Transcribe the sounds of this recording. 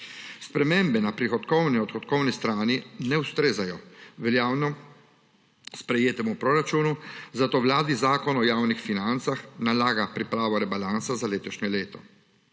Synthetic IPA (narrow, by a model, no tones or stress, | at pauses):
spɾɛmembɛnapɾixɔt̪kɔwniɔt̪xɔt̪kɔwnist̪ɾaːninɛwst̪ɾeːzajɔʋɛljaːwnɔ | spɾɛjeːt̪ɛmupɾɔɾat͡ʃuːnuzat̪oːwlaːd̪izaːkɔnɔjaːwnixfinant̪saxnalaːɡapɾipɾaːʋɔɾɛbalansazaleːt̪ɔʃɲɛleːt̪ɔ